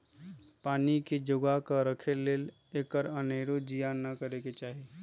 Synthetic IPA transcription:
paːniked͡ʒʊɡakəɾəkʰeleːl | eːkəɾəneɾod͡ʒijanːəkəɾeket͡ʃaːɦi

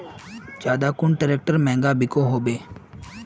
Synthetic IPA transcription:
d͡ʒaːd̪aːkʊɳʈəɾɛːk̚ʈəɾmɛ̃ːŋɡaːbʱɪkoːɦoːbeː

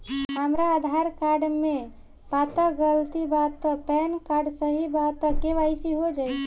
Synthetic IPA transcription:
ɦəmɾaːd̪ʱaɾkaɾɖmẽ | pat̪əɡəlt̪ibat̪ːəpɛnkaɾɖsəɦibat̪ːəkeʋaɪsiɦod͡ʒaːj

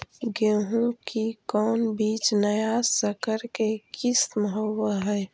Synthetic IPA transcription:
ɡeɦũkikɔːnbiːt͡ʃnəjaːsəkəɾkekɪsməɦəwəɦɛː

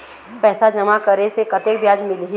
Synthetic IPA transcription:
pɛːsad͡ʒɐmakɐɾesekɐt̪ekbjaːd͡ʒmɪlɦi

